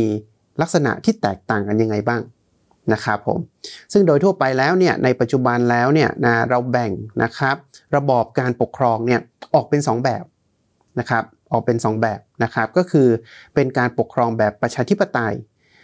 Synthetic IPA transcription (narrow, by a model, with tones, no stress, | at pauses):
i˧ | la˦˥k̚sa˧na̰˨˩ʔt̪ʰiː˥˩t̪ɛː˨˩k̚t̪aː˨˩ŋka˧nja˧ŋːa˧jbaː˥˩ŋ | na˦˥kʰɾa˦˥pʰːo̰˩˦msɯ˥˩ŋdoː˧jt̪ʰu˥˩ɐpa˧jlɛː˦˥wni˥˩ɐnʔa˧jpa˨˩t̪̚t͡ɕu˨˩ba˧nlɛː˦˥wni˥˩ɐna˦˥˩ɾa˧wbɛ˨˩ŋnʔa̰˦˥kʰɾa˦˥p̚ɾa˧bɔː˨˩p̚kaː˧npo˨˩kʰɾɔː˧ŋni˥˩ɐʔɔː˨˩k̚pe˧nsɔː˩˦ŋbɛː˨˩p̚ | na˦˥kʰɾa˦˥p̚ʔɔː˨˩k̚pe˧nsɔː˩˦ŋbɛː˨˩p̚na˦˥kʰa˦˥p̚kɔː˥˩kʰɯː˧pe˧nkaː˧npo˨˩kʰːɾɔː˧ŋbɛː˨˩pːɾa˧t͡ɕʰaː˧t̪ʰi˦˥pːa˧t̪a˧j